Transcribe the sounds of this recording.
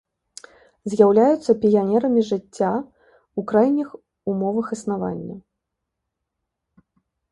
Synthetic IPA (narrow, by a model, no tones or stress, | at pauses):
zʲjawlʲajut̪sːɐpʲijanʲɛɾɐmʲiʐɨt͡sʲːa | ukɾajnʲix | umɔvɐxɨsnava̰nʲːɐ̰